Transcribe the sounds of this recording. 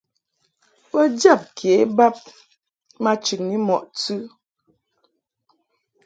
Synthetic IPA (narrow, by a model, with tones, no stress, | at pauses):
wə˦d͡ʒa˦˨p̚kʰe˨˦ba˦p̚ | ma˦t͡ʃʉ˨k̚ni˦mɔ˨ʔt͡sʉ˦